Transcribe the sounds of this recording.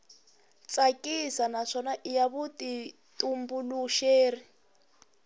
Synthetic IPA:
t͡sʼakʼisanaʂɔnaʔijaβuti | tʼumbuluʃeːri

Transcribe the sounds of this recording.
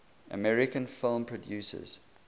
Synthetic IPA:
ʔə̰mɛɹɪkə̃nfɪlˠmpʰɹɔdjʉːsə̰z̥

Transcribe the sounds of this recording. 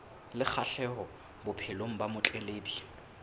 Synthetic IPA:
lɪk͡xʰaɬɛɦɔ | bʊpʰɪloŋ̩bamʊt͡ɬʼeleːbi

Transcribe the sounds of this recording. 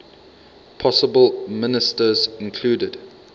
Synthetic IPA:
pʰɔsəbəlˠmɪnɪstəzɪ̃nkʰl̥uːdəd̥

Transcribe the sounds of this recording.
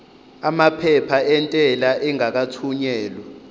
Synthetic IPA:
amapʰɛpʰaɛntʼɛlaʔɛŋak̬atʰuɲɛːlwɛ

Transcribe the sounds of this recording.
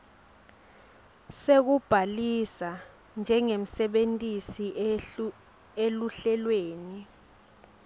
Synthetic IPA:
sek̬ub̥ʱalisa | nd͡ʒʱɛŋem̩sɛɓentʼisi | eluɬɛlweːni

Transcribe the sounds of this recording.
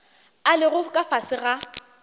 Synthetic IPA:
alɪɣʊkʼafasɪɣa

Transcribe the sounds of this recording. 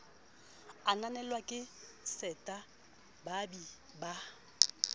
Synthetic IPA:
ananɛlwakʼɪsɛtʼa | babi | ba

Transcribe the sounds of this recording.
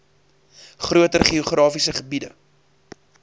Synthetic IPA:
χruətərχiuχrɑːfisəχəbidə̰

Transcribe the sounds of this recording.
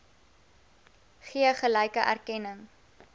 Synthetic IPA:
χiəχələjkəʔæ̰rkɛnəŋ

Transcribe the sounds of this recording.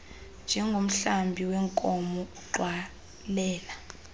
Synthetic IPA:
nd͡ʒʱɛŋɡʱom̩ɬambʱiwɛŋkʼɔmɔuǃwa | lɛːla

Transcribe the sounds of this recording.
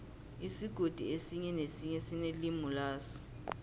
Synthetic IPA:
isiɡ̥ʱod̥ʱḭesiɲɛnesiɲɛsinelimulaːsɔ̥

